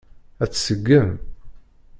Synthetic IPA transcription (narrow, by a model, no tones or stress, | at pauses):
æt͡sːsəɡːəm